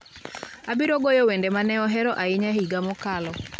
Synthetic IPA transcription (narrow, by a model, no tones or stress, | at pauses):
abiɾoɡojowendemanɛɔɦɛɾɔʔaɪɲaɦiɡamɔkalɔ